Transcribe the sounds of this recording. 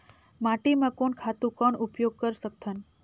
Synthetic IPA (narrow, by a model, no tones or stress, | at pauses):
maʈimãkoɳkʰat̪ũkɔɳupjoɡ̚kəɾsək̚t̪ʰən